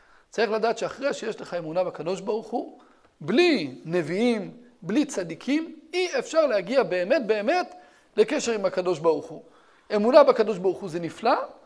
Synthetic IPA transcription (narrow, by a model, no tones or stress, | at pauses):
t͡saʁiχladaːt̪ʃeaχʁeʃeje̞ʃleχae̞munabekado̞ʃ̬baʁuχu | bline̞viimblit͡sad̪ikʰimiefʃaʁlehaɡiabe̞ːme̞t̚be̞ːme̞t | le̞ke̞ʃe̞ʁimakad̪o̞ʃbaʁuχu | e̞munabakad̪o̞ʃbaʁuχuzenifla